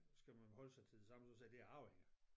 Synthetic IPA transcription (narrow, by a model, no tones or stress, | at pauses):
sɡ̥æmænhɒ̽ləsɑ̈ɪt͡sʰeðˠsɑ̈məsɒsed̥e̝æɑ̈ʊeŋɐ